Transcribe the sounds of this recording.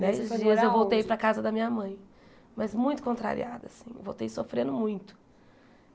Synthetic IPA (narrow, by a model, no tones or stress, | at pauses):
d̪ɛsɪzd͡ʒiɐzewvowt̪ejpɾɐakazɐd̪ɐmĩɲɐmɐ̃j̃ | mɐzmũj̃t̪ʊ̥kõnt̪ɾa̰ɾḭad̪ʊasĩ̥̰vo̰wt̪ejsofɾẽnd̪ʊmũj̃t̪ʊ̥